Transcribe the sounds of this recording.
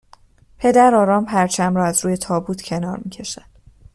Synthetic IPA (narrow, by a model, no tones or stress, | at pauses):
pʰe̞d̪æɾɒːɾɒːmpʰæɾt͡ʃʰæmɾɒːæzɾuːje̞t̪ʰɒːbuːt̪ʰcʰenɒːɾmiːcʰe̞ʃænd̪̥